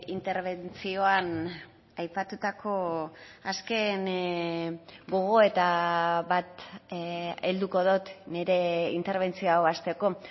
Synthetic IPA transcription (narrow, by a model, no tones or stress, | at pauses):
int̪e̞ɾβe̞nt͡sio̞an | ajpat̪ut̪akʰo̞aske̞n | ɡo̞ɣ̞o̞e̞t̪aβat̪ | eld̪uko̞ðot̪neɾe̞int̪e̞ɾβ̞e̞nt͡sio̞awast̪e̞ko̞